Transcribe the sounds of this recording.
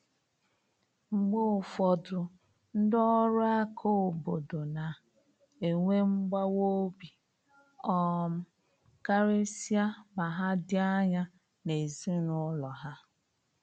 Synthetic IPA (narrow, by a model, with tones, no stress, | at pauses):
ŋ͡m̩˨ɡ͡bo˦˨fɔ˨dʊ˨ | n̩˦dɔ˦ɾʊ˦a˦kʰo˦o˨bo˨do˨na˨ | e˨ŋʷe˦ŋ͡m̩˦ɡ͡ba˦wo˦bi˨ | ɔ˦˨m̩˦ | ka˦ɾe˦si˦a˦ma˨ɦa˦dɪ˦a˦ɲa˦ | ne˨zi˦nʊ˦lɔ˨ɦa˦